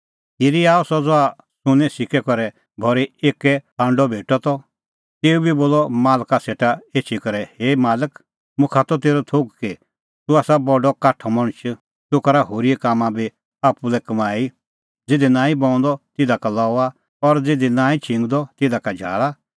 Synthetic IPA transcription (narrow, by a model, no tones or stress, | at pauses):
hiɾiaːɔsɔd͡zɔa | sʊ̃nɛ̃sɪkʰɛkɔɾɛ | bʱɔɾieːkɛãːɳɖɔbʱeːʈɔt̪ɔ | t̪eːubʱiboːlɔmaːlkaseːʈaeːt͡ʃʰikɔɾɛheːmaːlək | mʊ̃kʰat̪ɔt̪̬eːɾɔt̪ʰoɡki | t̪uaːsabɔɖɔkaʈʰɔmɔɽ̃t͡ʃʰ | t̪ukɐɾaɦoːɾiɛkaːmãbʱi | apulɛkɐmaːi | d͡zɪd̪inãːĩbɔ̃ɔ̃nd̪ɔt̪ɪd̪akalɔːa | ɔɾd͡zɪd̪inãːĩt͡ʃʰɪ̃ŋɡd̪ɔt̪ɪd̪akad͡ʒʱa̰ːɭa